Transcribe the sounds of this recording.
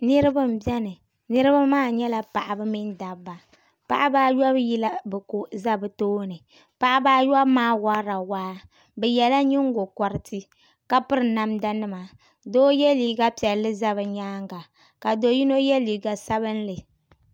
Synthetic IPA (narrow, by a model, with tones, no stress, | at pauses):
nɨ˦ɾɨ˦bɨ˦m̩˨bɛ˦nɨ˨ | nɨ˦ɾɨ˦ba˦maː˦˨ɲɛ˦la˨pa˨ʔa˨bɨ˦mi˦n˦da˨ba˨ | pa̰˨ʔa˦baː˦jɔ˦bji˦la˦bɛ˨ko˨za˦bɨ˨toː˦nɨ˨ | pa˨ʔa˦baː˦jɔ˦bmaː˦wa˦ɾa˨waː˦ | bɛ˨jɛ˨la˦ɲi˦ŋ˦ɡo˨kɔ˨ɾɨ˨tʰɨ˦ | ka˦pɨ˦ɾɨ˨na˦mda˦nɨ˦ma˨ | doː˦jɛ˦liː˨ɡa˦pi˨ɛ˨lːɨ˦za˦βɨ˨ɲaː˦ŋɡa˨ | ka˨do˨ji˦no˦jɛ˦liː˨ɡa˨sa˦bɨ˦n˦lɨ˨